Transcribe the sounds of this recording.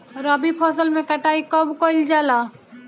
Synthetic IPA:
ɾəbipʰɔsəlmẽkəʈaːikəbkoɪld͡ʒaːla

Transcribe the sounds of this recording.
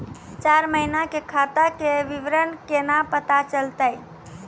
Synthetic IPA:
t͡ʃaɾməɦinakekʰat̪akeʋiʋɾənkenapət̪at͡ʃəlt̪əj

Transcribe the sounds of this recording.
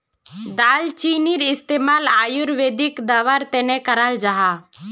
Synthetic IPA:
d̪aːlt͡ʃiːniɾɪst̪eːmaːlaːjuɾʋeːd̪ikd̪aːʋaɾt̪ɛnɛkəɾald͡ʒaɦa

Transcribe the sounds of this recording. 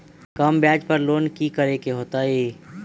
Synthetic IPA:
kɐmbjaːd͡ʒpəɾloːnkikəɾekeɦoːt̪aɦeː

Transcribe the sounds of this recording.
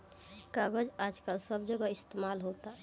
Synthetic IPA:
kaɡəd͡ʒaːd͡ʒkalsəbʱd͡ʒəɡaɪst̪emaːlɦot̪a

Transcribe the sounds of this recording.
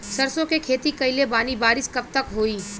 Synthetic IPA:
sɐɾsõkekʰeːt̪ikɐɪlebaːnibaːɾɪskɐb̚t̪ɐkɦoːiː

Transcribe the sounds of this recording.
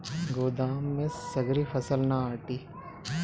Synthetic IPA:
ɡoːd̪aːmːẽsɐɡɾifʰɐsəlnaaːʈiː

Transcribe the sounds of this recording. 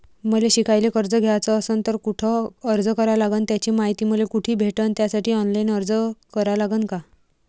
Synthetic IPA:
məleɕikajlekəɾd͡zəɡʱet͡səːsənt̪əɾkuʈʰəːɾd͡zəkəɾalaɡənt̪jat͡ɕiːmaɦit̪iːməlekuʈʰiːbʱeʈənt̪jasaʈʰiːɔnlainəɾd͡zəkəɾalaɡənka

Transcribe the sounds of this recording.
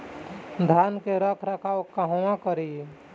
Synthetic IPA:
d̪ʱaːnkeɾəkʰɾəkʰaːokaɦoãkəɾi

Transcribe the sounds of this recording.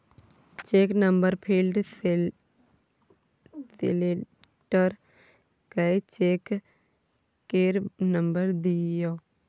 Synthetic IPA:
t͡ʃeːknəmbəɾpʰilɖ | sḛle | ʈəɾ | kəet͡ʃeːk | eːɾnəmbəɾd̪ijoː

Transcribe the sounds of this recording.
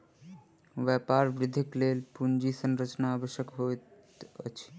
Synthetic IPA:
ʋɛpaɾbɾɪd̪ʱiklelpund͡ʒisənɾət͡ʃnaabəʃjəkɦot̪ | ə̰t͡ʃʰi̥

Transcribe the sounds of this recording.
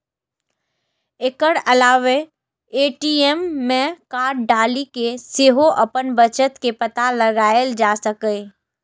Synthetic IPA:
ɪkəɽɐlaːʋe | eːʈiːemːẽkaːʈ̚ɖaːlikeseɦoʔɐpənbət͡ʃət̪kepət̪aləɡaːld͡ʒaːsəke

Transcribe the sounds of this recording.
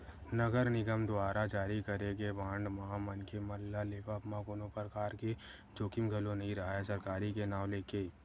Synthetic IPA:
nəɡəɾnɪɡəmd̪ʊaːɾad͡ʒaːɾikəɾeɡeʋãːɳɖmaamɐnkʰemɐlːaleːpapmãkonõpəɾkaːɾke | d͡ʒoːkɪmɡʱɐlõnɐɦĩɾɐɦaesɐɾkaːɾikenaːwleːkeː

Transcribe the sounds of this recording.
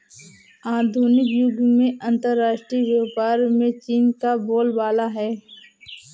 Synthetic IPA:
aːd̪ʱuːnɪkjʊɡmẽʔɐ̃nt̪əɾːaːʃʈɾiʋəpaːɾmẽt͡ʃiːnkaboːlbaːlaɦɛː

